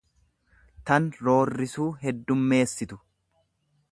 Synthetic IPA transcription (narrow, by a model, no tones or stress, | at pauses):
t̪ɐnɾo̞ːrːɪsuːɦɛd̪ːʊmːe̞ːsːɪt̪ʊ̥